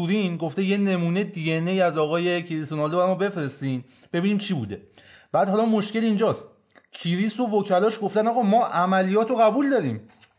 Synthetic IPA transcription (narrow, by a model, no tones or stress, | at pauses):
uɾinɡo̞ft̪e̞je̞ne̞muːne̞d̪ieneiːæzɒːɣɒːje̞cʰiɾisonɒːld̪oæɾɒmɔːbefɾe̞st̪iːn | b̥e̞biːniːmt͡ʃʰiːbṵːd̪e̞b̥æːd̪hɒːlɒmo̞ʃce̞lind͡ʒɒːst̪ | cʰiɾiːso̞vocʰælɒːʃɡo̞ft̪ænɒːɣɒːmɒːʔæmælijɒːt̪ʰɾoɣæbuːld̪ɒːɾiːm